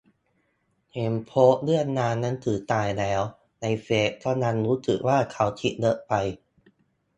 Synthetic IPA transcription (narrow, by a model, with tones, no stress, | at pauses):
heː˧˩mpʰoː˦˥ʔ̚lɯ˥˩ənːaː˧nːa˦˥nt̪ʰɯː˩˦t̪aː˧˩jlɛː˦˥w | na˧jfeː˦˥ʔt̪ʰɔː˥˩na˦˥nɾuː˦˥sɯ̰˨˩k̚waː˥˩kʰa˨˩wt̪ʰi˦˥t̚lɤ˦˥ʔpa˧j